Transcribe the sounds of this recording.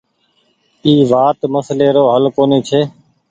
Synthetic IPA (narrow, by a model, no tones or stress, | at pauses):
iːʋaːt̪məsleːɾoːɦəlkoːneːt͡ʃʰeː